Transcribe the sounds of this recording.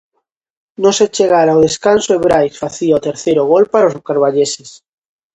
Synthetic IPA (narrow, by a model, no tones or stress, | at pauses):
nõset͡ʃeɣaɾaʊð̞eskansoeβɾajsfaθiaot̪eɾθejɾʊɣ̞olpaɾaozkaɾβaʎeses